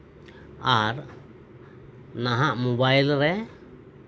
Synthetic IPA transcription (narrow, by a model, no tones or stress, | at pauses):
aɾ | naɦaʔmɔbajlɾɛ